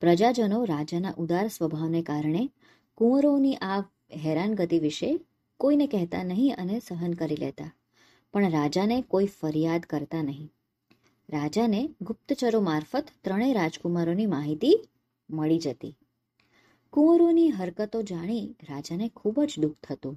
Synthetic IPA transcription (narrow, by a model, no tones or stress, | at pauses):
pɾəd͡ʒad͡ʒənoɾad͡ʒanaʔud̪aɾsʋəbʱaʋnekaɾɳe | kũəɾoniʔa | ɦɛɾanɡət̪iʋiʃe | koinekɛɦt̪a̰nəɦĩənesəɦənkəɾilɛ̰t̪a | pəɳɾad͡ʒanekoifəɾjad̪kəɾt̪anəɦĩ | ɾad͡ʒaneɡʊp̚t̪ət͡ʃəɾomaɾfət̪ːɾəɽ̃eɾad͡ʒkumaɾonimaɦit̪i | məɭid͡ʒət̪ḭ | kũʋəɾoniɦəɾkət̪od͡ʒaɽ̃iɾad͡ʒanekʰubəd͡ʒd̪ukt̪ʰət̪ũ